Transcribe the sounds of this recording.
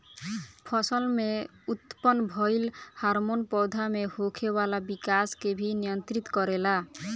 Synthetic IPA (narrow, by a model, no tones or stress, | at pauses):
pʰɔsəlme | ut̪pɔnbʱɔjlhaɾmonpɔwd̪ʱamehokʰebalabikaskebʱinijənt̪ɾit̪kɔɾela